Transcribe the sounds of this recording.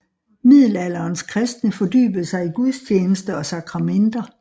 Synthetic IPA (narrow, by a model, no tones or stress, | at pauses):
mið̞̰ˠlæl̰ɐːnskʰʁɛsd̥nəfɒ̽dy̰ːb̥əð̩ˠsɑ̈ɪiɡ̥uðˠst͡ɕʰeːnəsd̥əɒ̽sɑ̈kʰʁɑ̈mend̥ɐ